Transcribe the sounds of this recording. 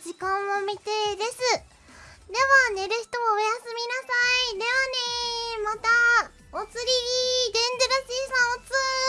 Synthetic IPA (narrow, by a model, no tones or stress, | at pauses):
d͡ʑikãɰ̃omʲit̪e̞d̪e̞sɨ | d̪e̞βane̞ɾɯ̟çi̥t̪o̞ojasɨmʲinasaid̪e̞βane̞mat̪a | ot͡sɨɾʲibʲid̪ẽ̞nd̪eɾasiːsãɰ̃ot͡sɨ